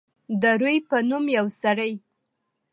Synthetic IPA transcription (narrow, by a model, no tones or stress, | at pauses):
d̪əɾujpənumjawsaɽəj